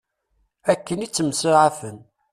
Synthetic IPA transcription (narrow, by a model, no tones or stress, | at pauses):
ækːənit͡sːəmsəʕafən